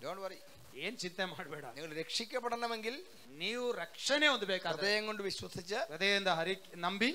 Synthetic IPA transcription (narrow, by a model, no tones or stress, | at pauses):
doːɳʈʋɐɾi | eːnt͡ɕint̪ɐmaːɽubeːɽa̰ːniŋːɐɭɾekʂikʲːɐpːɐɽɐɳɐmeŋɡil | niːʋuɾekʂɐneːond̪ubeːkːɐd̪ɐːjɐŋkoɳɖɨʋiɕwɐsit͡ɕːɨɐd̪eːjend̪aɦɐɾiknɐmbi